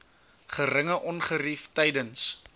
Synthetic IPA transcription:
χərəŋəʔɔnχəriftɛjdəns

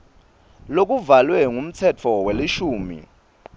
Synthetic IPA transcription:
lok̬ʼuvalwɛŋum̩t͡sʰɛt͡fʰɔweliʃuːmḭ

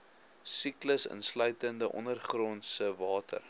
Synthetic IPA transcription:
sikləsə̰nslœɥtəndəʔɔ̰nərχrɔnsəvɑːtə̰r

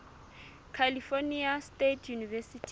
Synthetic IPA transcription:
kʰalifoniastetʰjunivɛsitʰ

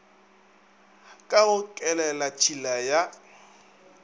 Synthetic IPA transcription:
kʼaʊkʼɛlɛlat͡ʃʰilaja

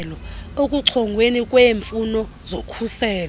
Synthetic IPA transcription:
lɔokʼuǀʰɔŋɡʱwenikʼweːɱfunɔ | zokʰusɛːlɔ

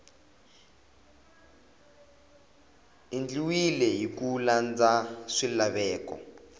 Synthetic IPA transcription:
ind͡ɮiwilɛɦikuland͡zaʂilaβɛːkɔ̰

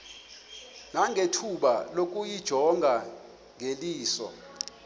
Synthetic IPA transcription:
naŋʱetʰuɓa̰lok̬ʼujid̥ʒ̥ʱɔŋɡʱa | ŋʱeliːsɔ̰

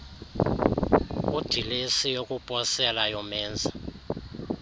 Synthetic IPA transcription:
ud̥ʱilesijokʼupʼɔsɛlajɔmɛːnd͡zʱa

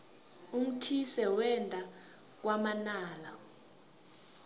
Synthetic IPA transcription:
um̩tʰisɛwɛntʼa | k̬wamanaːla

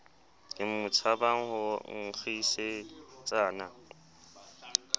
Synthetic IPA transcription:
kʼɪm̩mʊt͡sʰabaŋ̩hʊŋ̩k͡xʰiset͡sʼaːna

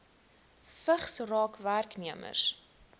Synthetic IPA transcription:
fəχsrɑːkværkniəmə̰s

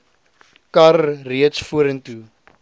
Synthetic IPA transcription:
kɐrriətsfuəɾəntu

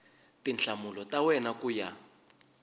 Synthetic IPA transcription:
tint͡ɬʰamulɔtawɛnakuja

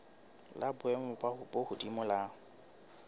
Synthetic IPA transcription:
labʊɛmʊpʼaʊbohʊdimʊlaŋ̩

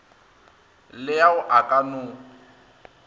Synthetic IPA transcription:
lɪjaʊʔakʼanʊ

